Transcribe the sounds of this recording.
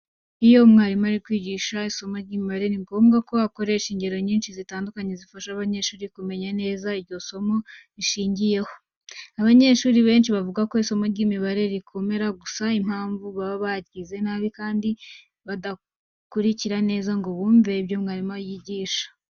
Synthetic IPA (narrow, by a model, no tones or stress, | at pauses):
ijo̞mŋaːɾimaɾikwiːɟiːʃaiso̞moɾɟiːmiβaɾe̞ɾiŋɡoːmɡako̞ako̞ɾe̞ʃiɲɟe̞ɾo̞ɲiːnʃizitaːndukaɲe̞zifaʃaβaɲe̞ʃuːɾikume̞ɲane̞ːzaiɾɟo̞so̞mo̞iʃiːɲɟije̞ho̞ | aβaɲe̞ʃuːɾiβe̞ːnʃiβavuɡako̞iso̞mo̞ɾɟiːmiβaɾe̞ɾikʰo̞me̞ɾaɡusaim̥haːɱvuβaββaɟɡize̞naːβikaːndi | βada | kuɾiciɾane̞ːzaŋɡo̞βuːɱve̞ibjo̞mŋaːɾimajiːɟiːʃḁ